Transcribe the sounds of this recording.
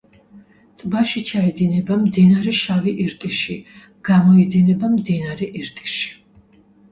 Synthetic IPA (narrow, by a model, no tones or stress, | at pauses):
t̪ʼbaʃit͡ʃʰaɛd̪inɛbamd̪inaɾɛʃaviʔiɾt̪ʼiʃi | ɡ̥amɔid̪inɛbamd̪inaɾɛʔiɾt̪ʼi̥ʃi̥